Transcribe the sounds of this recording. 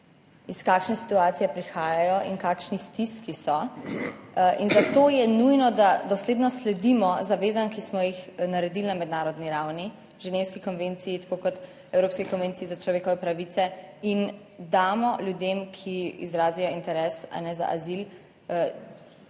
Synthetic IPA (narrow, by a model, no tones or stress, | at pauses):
iskaːkʃnɛsi̥t̪uaːt̪sijɛpɾixaːjajɔʔinkaːkʃnist̪iskisɔ | inzat̪oːjɛnujnɔd̪ad̪ɔsleːd̪nɔslɛd̪imɔzaʋeːzankismɔjixnaɾɛd̪ilnamɛd̪naːɾɔd̪niɾawni | ʒɛnewskikɔnʋent̪siːt̪ḁkokɔt̪ | ɛwɾoːpskikɔnʋeːnt̪siizat͡ʃlɔʋeːkɔʋɛpɾaʋit̪sɛin | d̪aːmɔlʲjud̪emkʰiḭzɾaːzijɔint̪ɛɾɛsa̰nɛza̰ʔazil